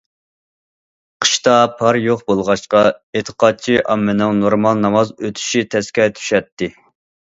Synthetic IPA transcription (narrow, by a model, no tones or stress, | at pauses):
qʰə̥ʃt̪ɑpʰɑɾjoχbolˠʁɑʃqɑet̪ʰə̥qʰɑt̪̚t͡ʃʰiʔɑmːɨnɪŋnoɾmɑlˠnɑmɑzøt̪ʰy̥ʃit̪ʰɛskʲɛt̪ʰy̥ʃɛt̪ːɪ